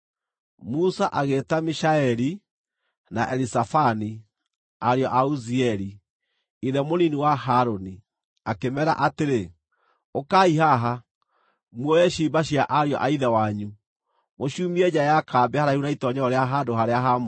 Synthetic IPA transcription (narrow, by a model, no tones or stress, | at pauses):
musaʔaɣetamiʃaɛɾi | naʔɛɾisafani | aɾeɔʔauziɛɾi | iðɛmoniniwaɦaɾoni | akemɛɾa̰ʔateɾe | okaiɦaɦa | mwɔɛɕibaɕiaʔaɾjɔ̰ʔaiðɛwaɲu | moɕuːmiɛd͡ʑajakaːbɛhaɾaiunaitɔɲɔɔɾeaɦadoɦaɾeaɦam